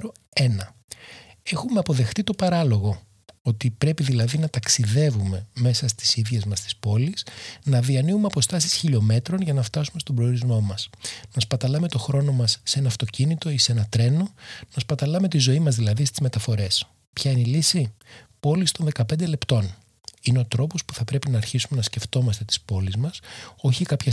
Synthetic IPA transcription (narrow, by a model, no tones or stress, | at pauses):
ɾo | e̞nɐ | e̞xume̞ɐpo̞ðe̞xt̪it̪o̞pɐɾɐlo̞ɣo̞ | ot̪ipɾe̞piðilɐðinɐt̪ɐksiðe̞vume̞me̞sɐst̪i̥siðʝe̞zmɐst̪i̥spo̞lisnɐðiɐniumeɐpo̞st̪ɐsi̥sçiʎo̞me̞t̪ɾo̞nʝɐnɐft̪ɐsume̞st̪o̞bɾeoɾizmo̞mɐsnɐspɐt̪ɐlɐme̞t̪o̞xɾo̞no̞mɐsːe̞nɐːft̪o̞cinit̪o̞ise̞nɐt̪ɾe̞no̞nɐspɐt̪ɐlɐme̞t̪izo̞imɐzðilɐðist̪izme̞t̪ɐfo̞ɾe̞s | pçɐine̞ilisipo̞list̪o̞nðe̞kɐpe̞nd̪e̞le̞pt̪o̞n | ine̞o̞t̪ɾo̞po̞spu̥θɐpɾe̞pinɐːɾçisume̞nɐsce̞ft̪o̞mɐst̪e̞t̪i̥spo̞lizmɐso̞çikɐpçɐ